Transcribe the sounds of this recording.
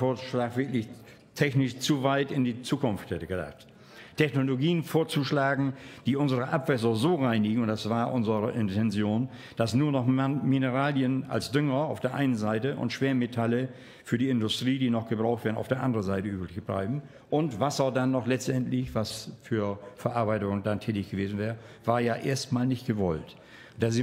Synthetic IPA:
foːɐ̥ʃlaːkv̥ɪɐklɪç | tʰɛçnɪʃt͡suvaɪtɪndiːt͡suːkʊnftɛtəɡəda̰χt | tʰɛçnoloɡiːənfoːɐt͡suʃlaːɡŋ̩d̥iːʔʊnzəʁəʔapv̥ɛs̬ɐzoːʁaɪnɪɡŋ̩ʊntd̥asv̥aːɐʔʊnzəʁəʔɪntʰɛnzjoːn | d̥asnuːɐnɔχminəʁaːljəna̰lsd̥ʏŋɐaʊfd̥eːɐʔa̰ɪnənzaɪtəʔʊ̰ntʃv̥eːɐmetʰalə | fyːɐdiːɪndʊstʁ̥iːdiːnɔχɡ̥əbʁaʊxtv̥eːɐn̩a̰ʊfd̥eːɐʔandəʁənzaɪtəʔyːplɪçb̥la̰ɪbm̩ | ʔʊntv̥asɐdanːɔχlɛt͡stʔɛntlɪçv̥asfyːɐfɛɐʔaɐbaɪtʊŋəndantʰɛːtɪçɡ̥əveːzn̩vɛːʁə | vaːɐjaːʔḛːɐstmaːlnɪçtɡ̥əvɔlt | d̥azi

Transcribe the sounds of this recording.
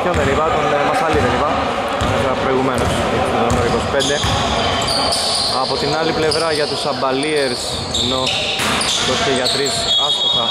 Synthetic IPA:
onðenivɐt̪onemɐsɐliðenivɐ | ɐnefeɾɐpɾo̞iɣumenos | ðonoɾiko̞si̥pe̞nd̪e̞ | ɐpo̞t̪inɐliple̞vɾɐʝɐt̪usɐbɐlieɾs | eno̞ | k̪oseʝɐt̪ɾisɐst̪oxɐ

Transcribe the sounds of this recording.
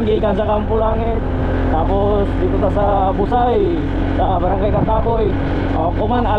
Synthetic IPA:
ŋɡikand͡ʒakampulaŋit̪ | t̪apɔ | sdikut̪asa | busai | sabaɾaŋkaikat̪apɔi | akomana

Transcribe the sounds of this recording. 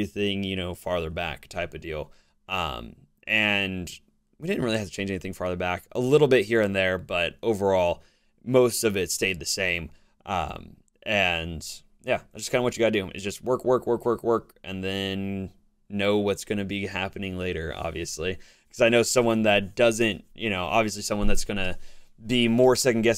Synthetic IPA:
iθɪ̃ŋjɨñoʊfɑɹðə˞bæ̰ktʰaɪpʌdilˠ | ʔʌ̰̃m | ʔɨ̃n | widɪdⁿn̩ʔ̚ɹɪlˠihæftɨ̥t͡ʃʰẽnd͡ʒɛniθɪ̃ŋfɑɹðə˞bækə̰lɪɾl̩ˠbɪt̚hiɹɨ̃nðə˞bʌɾoʊvə˞ɔlˠ | moʊstʌvɪtsteɪd̪̚ðɨsẽɪ̃m | ʔʌ̰̃m | ʔɨ̃n | jæaɪd͡ʒʌskʰãɪ̃ndəwʌt͡ʃɨɡaɾdʉ̃ɨ̰t̚d̥ʒ̥ʌst̚wɜ˞kwɜ˞kwkwɜ˞kwɜ˞kʔɨ̃nðɨ̃nː | oʊwʌtsɡ̥ʌñɨbiɦæpɨnɪ̃ŋleɪɾə̰˞ʔɑ̰bviɨsli | kʰʌzaɪñoʊsʌ̃mwʌ̃nðɨt̚d̥ʌzɨ̃ntjʔɨñoʊʔɑ̰bviɨslisʌ̃mwʌ̃nðɨtsɡ̥ʌñɨbimɔɹsɛkn̩ɡɛs

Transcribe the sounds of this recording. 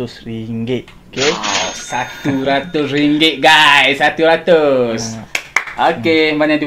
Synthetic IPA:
ʊsriŋɡɪt̚ | okesat̪uɾat̪ʊsriŋɡɪʔ̪̚ɡajsːat̪uɾat̪ʊsʔokebaɲadi

